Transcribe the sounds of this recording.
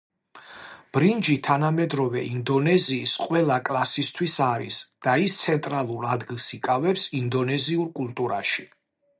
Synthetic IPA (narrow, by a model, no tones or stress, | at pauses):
b̥ɾind͡ʒit̪ʰanamɛd̪ɾɔvɛʔind̪ɔnɛziːsqʼwɛlˠakʼlˠasist̪ʰwisaɾḭsd̪̥aist̪sʰɛnt̪ʼɾalˠuɾad̪ɡilˠsikʼavɛpsind̪ɔnɛziuɾkʼulˠt̪ʼuɾa̰ʃi